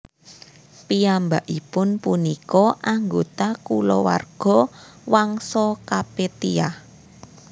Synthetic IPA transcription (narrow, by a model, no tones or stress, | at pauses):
piambaʔipʊnpunikɔʔaŋɡot̪akulɔ̰wa̰rɡ̥ɔ̤waŋsɔkapet̪ia